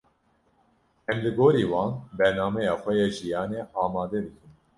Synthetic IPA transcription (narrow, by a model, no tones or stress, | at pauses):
ɛmlɨɡoːɾiːwɑːnbɛɾnaːmɛjɑːxʷɛjɛʒijɑːnɛʔɑːmɑːd̪ɛb̪ɨkɨm